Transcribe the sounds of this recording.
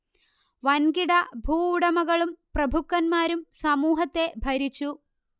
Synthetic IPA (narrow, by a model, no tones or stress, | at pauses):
ʋɐnɡiɽɐbʱuːɽɐmɐɣɐɭumprɐbʱukːɐnmaːɾumsɐmuːɦɐt̪ːe̞bʱɐɾit͡ɕːu